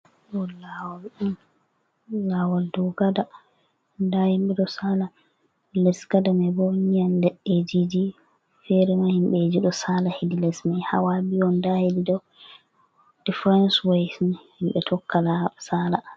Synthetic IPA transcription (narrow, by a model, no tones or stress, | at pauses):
ɗɔlawalɗum | lawaldɔɡada | ndahimɓɛɗɔsala | lɛsɡadamabɔnijanlɛed͡ʒid͡ʒi | fɛɾɛmahimɓɛd͡ʒiɗɔsalahedilɛsmajha̰wabiɔndahedidɔw | d̥ifɾɛnswejsnhimɓɛtʰɔkːalasala